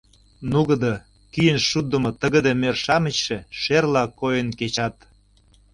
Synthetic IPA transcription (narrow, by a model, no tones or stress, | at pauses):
nuɣə̆d̪ɤ | kyjənʃud̪ə̆mŏt̪ə̆ɣə̆d̪emerʃɑmə̆t͡ɕʃeʃerlɑkojənket͡ɕɑt̪